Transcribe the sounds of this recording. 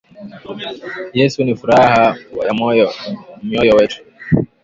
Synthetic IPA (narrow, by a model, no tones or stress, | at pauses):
jɛsunifuɾahaja | miɔjɔwɛtu̥